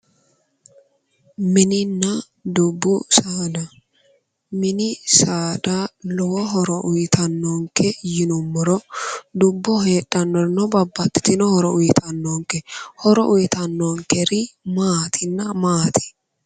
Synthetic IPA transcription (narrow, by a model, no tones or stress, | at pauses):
mɪnɪnːɐ | d̪ʊbːʊsaːdɐ | mɪnɪsaːdalɔwɐɦɔɾɔʔʊjt̪ʰɐnːɔŋkɛjɪnʊmːɔɾɔd̪ʊbːɔɦeːᶑːɐnːɔɾnɔbɐbːɐt̪ːɪ̥t̪ɪnɔhɔɾɔʊjɪt̪ʰɐnːɔŋkɛhɔɾɔʔʊjɪt̪ɐnːɔŋkɛɾɪmaːt̪ʰɪnːɐmaːt̪ɪ̥